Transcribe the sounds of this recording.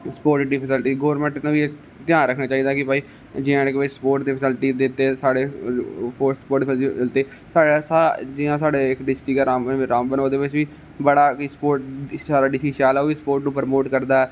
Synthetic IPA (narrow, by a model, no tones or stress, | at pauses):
spoːɾʈɖiːpʰəsɪlʈiːɡoːɾmɛ̃ɳʈnũʋie | t̪ɪjãːɾəkʰnaːt͡ʃaːiːd̪aːkɪpaːiː | d͡ʒɪãːɪkːʋɪt͡ʃspoːɾʈd̪iːpʰsɪlʈiːd̪et̪ːeːsaːɽeːpʰoɾspoːɾʈfɪlt̪eː | saːɽasad͡ʒɪãːsaːɽeːɪkɖɪsʈiːkɛːɾaːmɾaːmbənɦoːd̪eːʋɪt͡ʃʋiː | bəɽaːkispoːɾʈsaːɾaːɖɪsiːʃaːlaːʋiːspoːɾʈupəɾmoːʈkəɾd̪aːɛː